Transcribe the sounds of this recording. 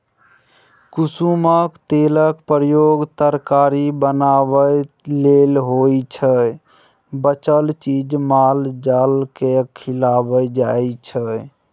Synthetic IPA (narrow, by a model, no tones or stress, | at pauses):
kusuməkt̪eləkpɾjoɡt̪əɾkaɾibənabə | lelɦojt͡ʃʰə | bət͡ʃəlt͡ʃid͡ʒmald͡ʒalkekʰilabəd͡ʒajt͡ʃʰə